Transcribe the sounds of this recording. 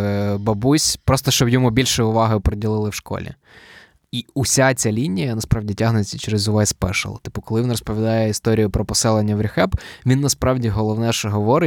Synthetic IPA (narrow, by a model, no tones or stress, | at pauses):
bɐbusʲpɾɔst̪ɔʃt͡ʃɔbjɔmubʲilʲʃɛjʊʋɑɦɐjʊpɾɔdʲilˠɪlˠɪwʃkɔ̰lʲḭ | iʊsʲat͡sʲalʲinʲijɐnɐspɾɑʋdʲitʲaɦnʊjt͡sʲɐt͡ʃɛɾɪzʊʋɛsʲpɛ̰ʃɐ̰lˠɐ̰t̪ɪ̥pʊkɔlˠɪʋʲinrɔspɔʋʲid̪ɑjɛist̪ɔɾʲijʊpɾɔpɔsɛlˠenʲːɐʋɾʲɪxɛpʋʲinːɐspɾɑwdʲiɦɔlˠɔwnɛʃɛɦɔʋɔɾɪ